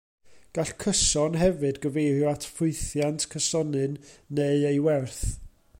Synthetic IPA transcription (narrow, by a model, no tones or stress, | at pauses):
ɡ̥aɬkʰəsɔnɦɛvɨdɡəvejrjɔatʰfʊɨθjantʰkʰəsɔnɨnːeɨejwɛrθ